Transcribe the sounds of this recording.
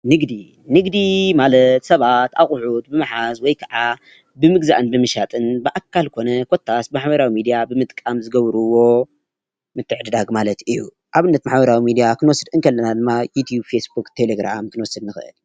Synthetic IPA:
nɨɡd̪i | nɨɡd̪imalɐt̪sɐβat̪aχʼħut̪bɨmaħazwɔjkʰɐʕa | bɨmɨɡza̰ʔɨnbɨmɨʃat̪ʼɨnbɨʔakːalkʰo̞nɐkʰo̞t̪ʰːasbɨmaħbɐɾawimid̪ijabɨmɨt̪ʼkʼamzɨɡɐβɾuwo̞ | mɨt̪ʰːɨʕd̪ɨd̪aɡmalɐt̪ɨju | ʔaβɨnːɐt̪maħbɐɾawimid̪ijakʰɨnwɔsɨd̪ɨnkʰɐlːɐnad̪ɨmːajut̪ʰjubfe̞sbukt̪ʰe̞leɡɾa̰mkʰɨnwɔsɨd̪nɨxɨʔɨ̰l

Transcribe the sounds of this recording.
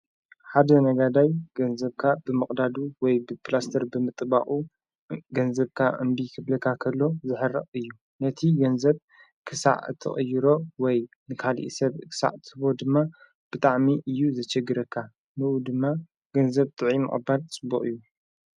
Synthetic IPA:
ħad̪ɐnɐɡad̪ajɡ̥ɐnzɐβkʰabɨmɨχʼd̪ad̪uwɔjbɨpʰlast̪ʰɐɾbɨmɨt̪ʼba̰χʼu | ɡɐnzɐβkʰaʕɨ̰mbikʰɨblɐkʰakʰɐlːo̞zɨħɨrːɐ̰χʼɨjːu | nɐt̪ʰiɡɐnzɐβ | kʰɨsa̰ʕɨt̪ʰɐ̰χʼɨjːɪɾo̞wɔj | nɨkʰalḭʔḭsɐβkʰɨ̥sa̰ʕt̪ʰɨβo̞d̪ɨmːa | b̥ɨt̪ʼaʕmiʔɨjːuzɐt͡ʃɛɡɨɾɐkʰːa | nɨʔud̪ɨmːa | ɡ̥ɐnzɐβt̪ʼɨʕimɨ̰χʼɨbalt͡sʼɨbːuχʼɨ̰jːu

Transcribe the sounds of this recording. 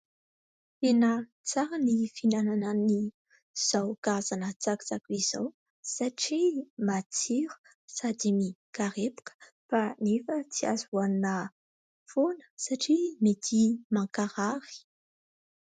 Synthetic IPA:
t̪enə | t͡saɾənifinananani | z̥awɡ̥azanət͡sakt͡sakuiz̥aw | saʈ͡ʂimat͡siɾu̥ | sad̪imikaɾepu̥kə̥ | fanefət͡sia̰zannə | fonə̥saʈ͡ʂimet̪ʰimaŋkaɾaɾi̥

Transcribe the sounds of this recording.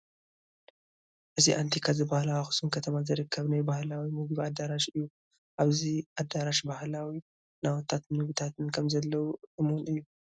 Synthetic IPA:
ʔɨziʔant̪ʰikʰazɨbahlawaxɨ̥sunkʰɐt̪ʰɐmazɨɾɨkʰːɐβnajbahlawimɨɡɨβad̪aɾaʃɨjːu | ʔaβziʔad̪aɾaʃbahlawi | nawɔt̪ʰːat̪nɨβut̪ʰat̪ɨnkʰɐmzɐlːɐwuʔɨmonɨjːu

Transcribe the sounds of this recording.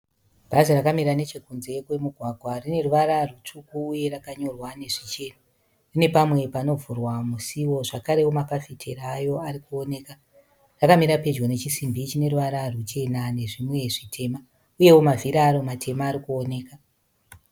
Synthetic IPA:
b̥ʱazerakamiɾane̞t͡ʃekunze̞kwe̞muɡʱwaɡʱwarine̞ruʋaɾarut͡ʂukuːje̞rakaɲo̞rwane̞ʐit͡ʃe̞na | rine̞pamwe̞pano̞vurwamusiwo̞ʐakaɾe̞womapafitʰeɾaːjo̞aɾikuo̞ne̞ːka | rakamiɾape̞d͡ʒonet͡ʃisimbit͡ʃine̞ɾuʋaɾarut͡ʃe̞nane̞ʐimwe̞ʐitʰe̞ma | uje̞womavʱiɾaːɾo̞matʰe̞maːɾikuone̞ːka

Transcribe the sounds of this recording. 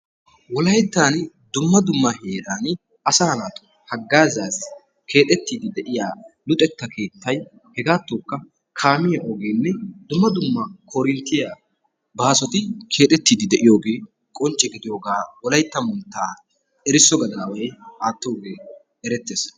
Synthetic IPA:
wɔlɐjt̪ːaːn | d̪ʊmːɐd̪ʊmːɐheːɾaːn | ɐsɐɐnaːt̪ʊ̥ | hɐɡːaːzaːs | kʰe̞ːt̪ʼɛt̪ːiːd̪ɪd̪ɛʔɪjaːlʊt̪ʼɛt̪ːɐkʰe̞ːt̪ːɐj | hɛɡaːt̪ːoːkːɐ | kʰaːmɪjɐʔɔɡeːnːɛd̪ʊmːɐd̪ʊmːɐkʰɔɾɪnt̪ːɪjaː | baːsɔt̪ɪkʰe̞ːt̪ʼɛt̪ːiːd̪ɪd̪ɛʔɪjo̞ːɡe̞ː | kʼɔnt͡ʃʼːɛɡɪd̪ɪjoːɡaːwɔlɐjt̪ːɐmʊnt̪ːaː | ɛɾɪsɔɡɐd̪ɐwɐjʔaːt̪ːoːɡe̞ː | ɛɾɛt̪ːeːs

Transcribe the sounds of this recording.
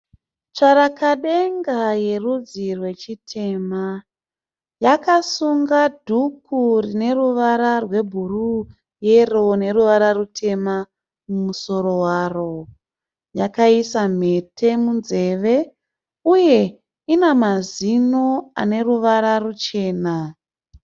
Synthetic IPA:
t͡ʂaɾakaɗeŋɡaje̞rud͡zirwe̞t͡ʃitʰe̞ma | jakasuŋɡadʱukʰurine̞ruʋaɾarwe̞bʱuru | je̞rone̞ruʋaɾarutʰe̞ma | mumuso̞ɾo̞waːro̞ | jakaisam̤e̞tʰe̞munze̞ʋe̞ | uje̞ | inamazinoa̰ne̞ruʋaɾarut͡ʃe̞ːna

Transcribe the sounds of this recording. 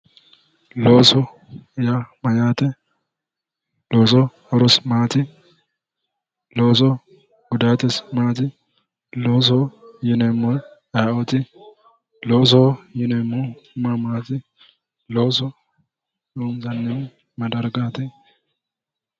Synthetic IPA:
loːsɔ | jamɐjaːt̪ɛ | loːsɔ | ɾɔsmaːt̪ɪ | loːs̬ɔ | ɡʊd̪aːt̪ɛsmaːt̪ɪ | loːs̬ɔjɪnɛmːɔn | ajɔt̪ɪ | loːs̬ɔjɪnɛmːɔmamaːt̪ɪ | loːsɔ | juːmzɐnːɪm | mɐd̪ɐɾɡaːt̪ɛ

